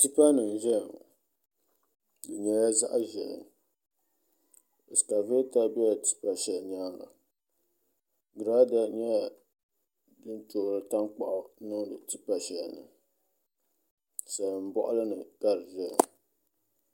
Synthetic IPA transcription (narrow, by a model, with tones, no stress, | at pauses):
tɨ˦pa˦nɨ˨ŋ˨ʒɛ˦˨ŋ | dɨ˨ɲɛ˦ja˦za̰˦ʔa˦ʒɛ˨lɨ̰˨ŋ | ɨ˨ska˨ve˦ta˦bɛ˦a˨tɨ̥˦pa˨ʃɛ˨ɲaː˦ŋa̰˨ | ɡɾa˦da˨ɲɛ˦a˨ | dɨ˦nto˨ɾɨ˦ta˦ŋk͡pa̰˨ʔʊ˦nɨ˦ŋdɨ˨tɨ˦pa˨ʃɛ̰˨nɨ̰˨ | sa˨lɨ˨m̩˨bɔ̰˦ʔʊ̰˦lɨ˦nɨ˨ka˦ɾɨ˨ʒɛ˦˨ŋ